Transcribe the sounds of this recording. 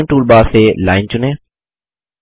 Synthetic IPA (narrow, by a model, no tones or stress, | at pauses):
nʈuːlbaːseːlaːɪnt͡ɕʊnẽː